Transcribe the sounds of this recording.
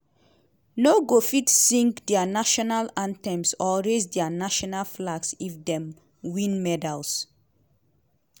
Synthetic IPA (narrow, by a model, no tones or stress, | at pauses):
noɡofitːĩŋkdɛanaʃɔnalãntɛ̃msɔɹesdɛanaʃɔnalflaɡsifdɛ̃m | wĩnmɛdals